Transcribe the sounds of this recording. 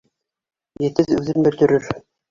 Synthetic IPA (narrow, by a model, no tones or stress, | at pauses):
jɘ̆t̪ɘðʉðɘmbɘ̆ɾt̪ɵ̆ɾɵɾ